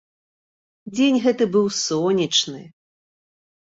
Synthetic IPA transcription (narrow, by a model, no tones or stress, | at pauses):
d͡zʲenʲɣɛt̪ɨbɨwsɔnʲit͡ʂnɨ̰